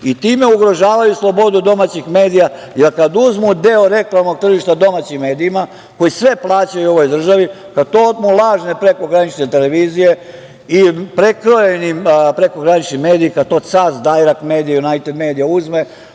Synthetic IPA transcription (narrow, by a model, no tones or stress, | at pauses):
it̪iːme̞uɡɾo̞ʒaːʋajuslˠo̞bo̞d̪ud̪o̞maːt͡ɕixme̞ːd̪ija | jelkad̪uzmud̪e̞oɾe̞klˠamno̞ɡ̚t̪r̩ʒiʃt̪ad̪o̞mat͡ɕimːe̞ːd̪iima | ko̞jisʋe̞plˠaːt͡ɕajuo̞ʋo̞jd̪r̩ʒaʋi | kad̪̚t̪od̪mulˠaːʒnepɾe̞ko̞ɡɾanit͡ʃnet̪ele̞ʋiːzije̞ | ipɾekɾojenipɾe̞ko̞ɡɾanit͡ʃnime̞ːd̪iikad̪̚t̪osazd̪ajɾakme̞ːd̪ijajunajt̪ed̪me̞ːd̪ijauzme